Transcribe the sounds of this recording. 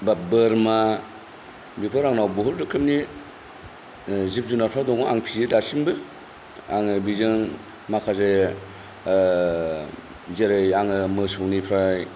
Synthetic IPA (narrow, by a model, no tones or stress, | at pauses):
babɯɾma | bipʰɯɾaŋnawbɔɦuɾdɯkʰɯmni | zip̚zunaɾpʰɾadɔŋɔʔaŋpʰiɯdasimbɯ | aŋɯbizɯŋ | makʰaze | zeɾɯjaŋɯmɯsɔŋnipʰɾaj